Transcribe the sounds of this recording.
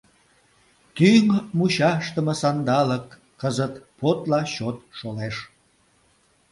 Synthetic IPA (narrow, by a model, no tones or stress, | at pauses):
t̪yŋmuɕɑʃt̪əməsɑnd̪ɑləkː | əzət̪pot̪lɑɕot̪̚ʃoleʃ